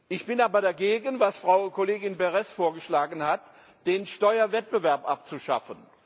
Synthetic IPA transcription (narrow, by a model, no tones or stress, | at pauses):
ʔɪçb̥ɪnaːbɐɾaɡeːɡənvasfʁ̥aʊkʰoleːɡɪnbɛʁɛsfoːɐɡəʃlaːɡn̩hat | d̥eːnʃtɔʏɐvɛt̚b̥əvɛɐpʔap̚t͡suʃa̰fən